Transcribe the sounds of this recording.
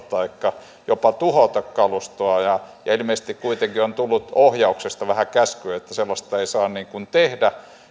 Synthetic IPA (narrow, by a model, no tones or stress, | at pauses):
t̪ɑikːɑ | jopɑt̪uhot̪ɑkkɑlust̪oɑjɑjɑilmeˑise̥st̪ikkuit̪eŋkiont̪ulːut̪ohjɑuksest̪ɑʋæhækæskyøet̪ːæselːɑst̪ɑeisɑːnniːŋkunt̪ehdæ